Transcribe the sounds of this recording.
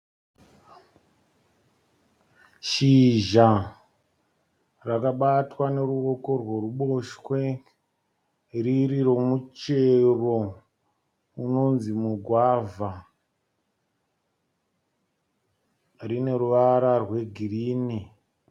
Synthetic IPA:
ʃiʒa | rakaɓatwane̞ɾuo̞ko̞rwe̞ruɓo̞ʃkwe̞ | ririro̞mut͡ʃe̞ro̞ | uno̞nzimuɡʱwava | rine̞ɾuʋaɾarwe̞ɡʱiriːni

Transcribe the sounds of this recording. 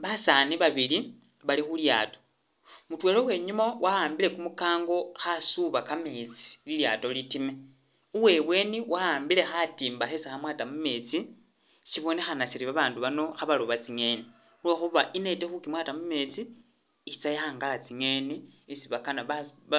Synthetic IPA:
βasaniβaβili | βalixulja̰ːto̞̥ | mutwe̞lo̞we̞ɲumawʔaaːmbile̞kumukaːŋɡo̞xasuβakamet͡si̥liljato̞litime̞ | uwe̞βwe̞niwaaːmbile̞xatiːmbaxesaxamwaːtamume̞t͡si | siβo̞ne̞xanasiɾiβaβaːnduβano̞xaβaloβat͡siŋe̞ːni | ulwexuβaʔinetexukimwaːtamume̞t͡siː | t͡sajaxaːŋɡalat͡siŋe̞niisiβakanaβa

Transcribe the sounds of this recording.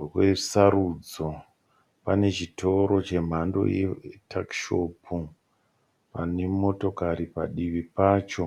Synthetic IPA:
we̞saɾud͡zo | pane̞t͡ʃitʰo̞ɾo̞t͡ʃe̞m̤ando̞̰jḛtʰakʃo̞pʰu | pane̞mo̞to̞kaɾipa̰ɗiʋipaːt͡ʃo̞

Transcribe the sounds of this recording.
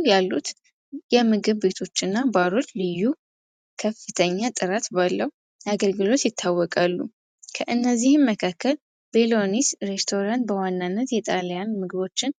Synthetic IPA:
jalːut̪ | jɛmɨɡɨβbe̞t̪ʰo̞t͡ʃːɨnːabaɾo̞t͡ʃːlɨjːu | kʰəfːɨt̪ʰəɲːat̪ʼɨɾat̪balːəhu | jaɡəlɡɨlo̞t̪jɪt̪ʰːawːɔkʼalːṵ | kʰəʔɨnːəzːihɨnməkʰakːəl | belo̞nisɾe̞st̪ʰo̞ɾant̪̚bəwanːanːət̪jɛt̪ʼaljanmɨɡɨβo̞t͡ʃːɪn

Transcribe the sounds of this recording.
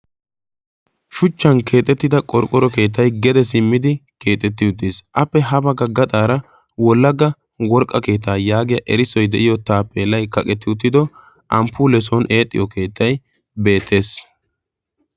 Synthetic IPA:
ʃʊt͡ʃːɐnkʰe̞ːt̪ʼːɛt̪ːɪd̪ɐkʼɔɾkʼːɔɾɔke̞ːt̪̬ːɐjɡɛd̪ɛs̬ɪmːɪd̪ɪke̞ːt̪ʼːɛt̪ːɪʊt̪ːisʔɐpːɛɦɐbɐɡɐɡɐt̪ʼaːɾɐ | wɔlːɐɡɐ | wɔɾkʼːɐke̞ːt̪̬ːaːjaːɡɪjɐʔɛɾɪsɔjd̪ɛʔɪjɔt̪aːpːɛlːɐjkɐkʼɛt̪ːɪʊt̪ːɪd̪ɔ | ʔɐmpːʊːlɛs̬ɔnʔeːt̪ʼːɪ̰jɔke̞ːt̪ːɐj | be̞ːt̪ʰːe̞ːs

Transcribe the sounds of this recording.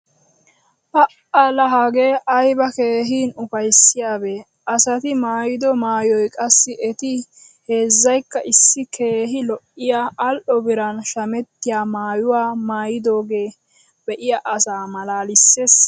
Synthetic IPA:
pɐʔʔɐlɐɦaːɡe̞ːʔɐjbɐke̞ːɦiːnʊfɐjsːɪjaːbe | ʔɐsɐt̪ɪmaːjɪd̪ɔmaːjɔjkʼɐsːɪʔɛt̪ɪ | he̞ːzːɐjkːɐʔɪsːɪkʰe̞ːɦɪlɔʔɪjaʔːlʔɔbɪɾɐnʃɐmɛt̪ːɪjaːmaːjʊwaːmaːjɪd̪o̞ːɡeː | bɛʔɪjaʔɐsaːmɐlaːlɪsːeːs

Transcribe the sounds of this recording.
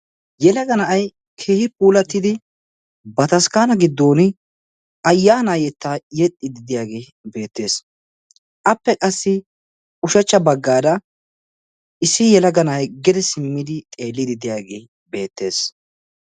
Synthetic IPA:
jɛlɐɡɐnɐʔɐj | kʰeːhɪpuːlɐt̪ːɪd̪ɪ | bɐt̪ɐskaːnɐɡɪd̪ːo̞ːnɪ | ɐjːaːnajɛt̪ːajɛt̪ʼːɪd̪ɪd̪ɪjaːɡe̞ː | be̞ːt̪ːe̞ːs | ʔɐpːɛkʼɐsːɪ | ʊʃɐt͡ʃːɐbɐɡːaːd̪ɐ | ɪsːɪjɛlɐɡɐnɐʔɐjɡɛd̪ɛsɪmːɪd̪ɪt̪ʼe̞ːlːɪd̪ɪd̪ɪjaːɡḛː | be̞ːt̪ːe̞ːs

